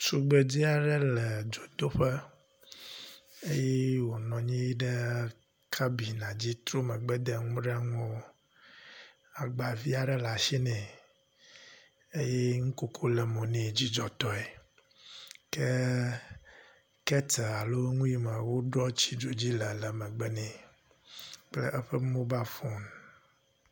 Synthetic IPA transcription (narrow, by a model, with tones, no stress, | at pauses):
su˨ɡ͡bə˨d͡ʑi˦a˨ɖə˦lə˨d͡ʒo˨d̪o˦ɸə˦ | e˦je˦wo˨nɔ̃˨ɲĩ˦ji˦ɖə˦ | kʰa˦bi˨nã˨d͡ʑi˦t̪ɾo˦mə˨ɡ͡bɛ˦d̪e˨ŋũ˦ɖe˦a˦ŋo˦ | a˨ɡ͡ba˨vi˦a˨ɖə˦la˨ʃi˦nɛ̃˨ | e˦je˦ŋũ˦ko˦kʰo˦lɛ˨mõ˨nẽ˦˨d͡ʑi˦d͡ʒɔ˨t̪ɔ˦e˨ | ke˦ | kɛ˦t̪ɛ˨a˨lo˦ŋũ˦i˦mə˨wo˦ɖɾɔ˦t͡ɕi˦ɖo˨d͡ʑi˦lə˨lə˨mɛ̃˨ɡ͡bɛ˦nɛ̃˨ | k͡plɛ̰˦ʔɛ˦ɸə˦mõ˦ba˦fɔ˦n˨